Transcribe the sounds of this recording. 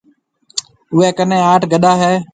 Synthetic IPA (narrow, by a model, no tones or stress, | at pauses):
ʊʋeːkənẽːaːʈɡəɗaːɦɛː